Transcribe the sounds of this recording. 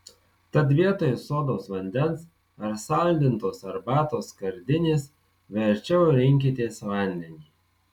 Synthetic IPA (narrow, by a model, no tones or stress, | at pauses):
t̪ɐt̪̬ʋʲiɛt̪oːjɛsoːd̪oːsʋɐnʲd̪ʲɛns | ɐɾsɐˑlʲd̪ʲɪnt̪oːsɐɾbæːt̪oːskɐɾʲd̪ʲɪnʲeːs | ʋʲɛɾʲt͡ʃʲɛʊɾʲɪŋʲk̬ʲɪt̪ʲeːsʋɐˑnʲd̪ʲɛnʲiː